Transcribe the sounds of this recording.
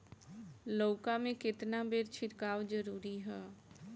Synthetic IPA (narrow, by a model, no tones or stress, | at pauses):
loːkãːmẽːkɪt̪naːbeːɾt͡ʃʰɪɾkaːʋd͡ʒəɾuːɾiːɦɛː